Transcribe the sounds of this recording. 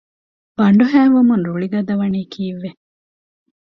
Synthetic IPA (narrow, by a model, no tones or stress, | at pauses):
b̥ɐɳɖuɦæːʋumunɾuɭiɡɐd̪ɐʋɐniːkʰiːʋːe